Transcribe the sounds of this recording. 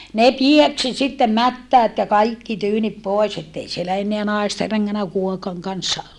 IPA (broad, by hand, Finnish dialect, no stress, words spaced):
ne pieksi sitːem mætːæːt jɑ kɑiki tyːnip poˑes etːei sielæ enːeæ nɑeste reŋːænæ kuokɑŋ kɑnsːɑ